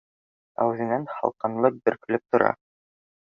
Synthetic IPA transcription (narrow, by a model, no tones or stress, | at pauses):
æ̰wʉðɘ̆nænhɑ̰lˠqɑnlˠɤq̚bɘ̆ɾkɵ̆lɘp̚t̪ŏɾɑ̰